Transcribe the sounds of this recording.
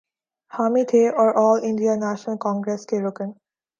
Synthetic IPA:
hamit̪ʰeʔɔɾʔɔːlɪ̃ɳɖianæʃnəlkɔ̃ŋɡɾeskeɾokə̃n

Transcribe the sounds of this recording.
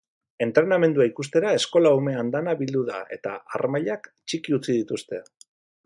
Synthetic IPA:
e̞nt̪ɾe̞name̞nd̪uaikust̪e̞ɾae̞sko̞laume̞and̪anaβild̪uða̰e̞̰t̪aarmaʎakt͡ʃikiut͡sið̞it̪ust̪e̞

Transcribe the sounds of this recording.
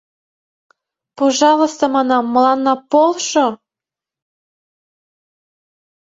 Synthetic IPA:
poʒɑlə̆st̪omɑnɑmːə̆lɑnːɑpolˠʃo

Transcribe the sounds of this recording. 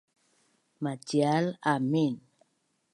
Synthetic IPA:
mad͡ʒialamin

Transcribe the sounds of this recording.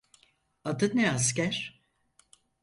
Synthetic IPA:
ad̪ɯnɛas̬cæɾ̥

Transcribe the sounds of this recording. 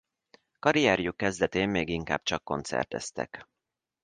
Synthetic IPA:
kɒɾijɛɾjukːɛzd̪ɛt̪eːmːeːɡiŋka̰ːb̥t͡ʃɒkːo̞nt̪sɛ̰rt̪ɛst̪ɛ̰k

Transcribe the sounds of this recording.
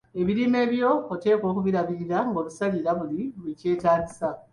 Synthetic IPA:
e̞βiɾiːme̞ːβjo̞ote̞ːko̞ːkuβiɾaβiɾiɾaŋɡo̞ːβusaliɾaβuliβuice̞ːtaːɟisa

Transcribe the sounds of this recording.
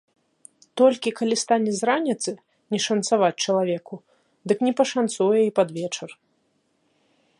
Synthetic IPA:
t̪ɔlʲkʲikalʲist̪anʲɛzɾanʲit̪sɨ | nʲɛʂɐnt̪savat͡sʲt͡ʂɐlˠavʲɛku | d̪ɨknʲɛpɐʂant̪sujɛipad̪vʲɛt͡ʂɐr

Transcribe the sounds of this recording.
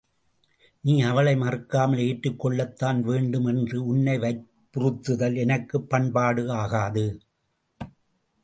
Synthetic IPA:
niːɐʋɐɭɐɪmɐrɯkːaːmɐleːʈrɯkːɔɭːɐt̪ːaːnʋeːɳɖɯmɛndrɯʊɳːɐɪʋɐɪpːʊɾɯt̪ːɯðɐlɛnɐkːɯpːɐɳpaːɽɯaːɣaːðɯ

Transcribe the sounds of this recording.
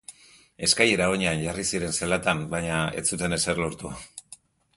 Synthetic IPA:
e̞skaje̞ɾaoɲeanʝarisiɾe̞nselat̪ambajɲae̞̰t͡sut̪e̞ne̞se̞ɾloɾt̪ua

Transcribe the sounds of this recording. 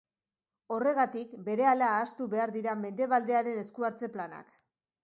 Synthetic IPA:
o̞re̞ɣat̪ikbe̞ɾe̞alaːst̪uβe̞aɾðiɾame̞nd̪e̞βald̪e̞aɾe̞ne̞skuaɾt͡se̞plana̰k

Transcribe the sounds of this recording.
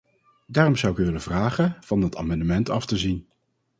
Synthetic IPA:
daːrɔmzʌwɪkyʋɪləv̥raːχənv̥ɑnəta̰ːmɑndəmɛntɑftəzin

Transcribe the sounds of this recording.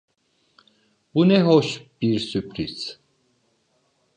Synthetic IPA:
b̥unɛɦɔʃb̥iɾsypʰɾis

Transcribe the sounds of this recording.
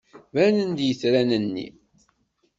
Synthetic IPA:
vænənd̪jəθɾænənːḭ

